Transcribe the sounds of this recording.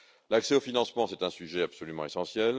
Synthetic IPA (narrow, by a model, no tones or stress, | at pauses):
laksɛofinɑ̃smɑ̃sɛt̪ɛ̃syʒɛapsɔlymɑ̃esɑ̃sjɛl